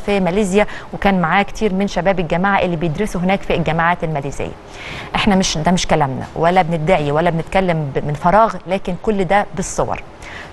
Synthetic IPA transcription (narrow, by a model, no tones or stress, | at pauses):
fimæleːzjæwekæːnmaʕaːkt̪ʰiːɾmenʃæbæːbelɡæmaːʕaʔelːiːbejed̪ɾesuɦenæːkfilɡæmaʕaːt̪elmæleːzḛjːæ̰ | ʔeħnæmeʃd̪æmeʃkælæmnæ̰wælːæbenɪt̪̚d̪aʕiwælːæbenet̪̚kælːæmbmːenfɑɾˤɑːɣlæːkenkolːd̪æbesˤːowɑ̰ɾˤ